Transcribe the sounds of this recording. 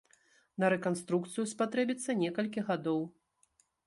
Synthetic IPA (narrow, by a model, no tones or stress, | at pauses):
nɐɾɛkanst̪ɾukt̪sɨjuspat̪ɾɛbʲit̪sːɐnʲɛkɐlʲkʲiɣad̪ɔw